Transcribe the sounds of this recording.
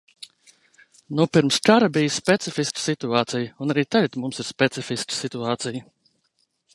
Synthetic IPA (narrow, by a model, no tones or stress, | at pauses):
nupiɾmskaɾəbijəspʲɛt̪sifisksit̪uaːt̪sijəunaɾiːt̪ajt̪mumsiɾspʲɛt̪sifiskə̥sit̪uaːt̪sijə